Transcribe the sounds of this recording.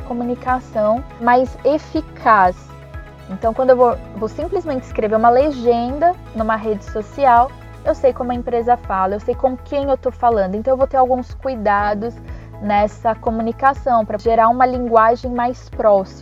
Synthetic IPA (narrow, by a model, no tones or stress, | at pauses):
komunikasɐ̃w̃majzefikʰas | ẽnt̪ɐ̃w̃kwɐ̃nd̪ʊewvovosĩplizmẽnt͡ʃɪskɾeveɾũmɐleʒẽnd̪ɐ | nũmɐɦed͡ʒɪsosiaw | ewsejkõmʊɐẽpɾezɐfalɐewsejkõmʊkẽj̃ewt̪ofalɐ̃nd̪ʊẽt̪ɐ̃wevowt̪eɾawɡũskujd̪ad̪ʊs | nɛsɐkomunikasɐ̃w̃pɾɐʒeɾaũmɐlĩŋɡwaʒẽj̃majspɾɔsi